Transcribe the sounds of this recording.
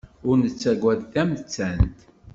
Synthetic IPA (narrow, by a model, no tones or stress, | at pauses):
ʊɾnət͡sːæɡʷwæðθæmt͡sːænt̪